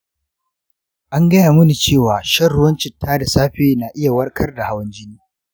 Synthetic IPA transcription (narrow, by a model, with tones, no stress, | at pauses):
ʔa˦ŋɡɐ˦jaː˨mʊ˦ni˨t͡ʃeː˦˨waː˨ʃɐ˦rɽʊ˦wɐ˦nt͡ʃɪ˨tːaː˦da˨saː˦ɸeː˦na˨ʔɪ˦ja˨wɐ˦rkʰɐ˦rda˨ha˦wɐ˦nd͡ʒɪ˦niː˦